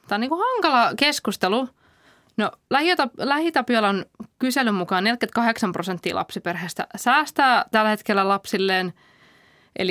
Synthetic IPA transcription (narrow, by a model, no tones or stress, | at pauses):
t̪æːoniːŋkuhɑŋkɑlɑkeskust̪elu | nolæhit̪ɑlæhit̪ɑpiolːɑonkyselymmukɑːnelkyt̪kɑheksɑmprosent̪ːḭːlʔɑ̰psiperɦest̪æ̰sæːst̪æːt̪ælːhet̪kelːælɑpsilːeːn | ʔḛli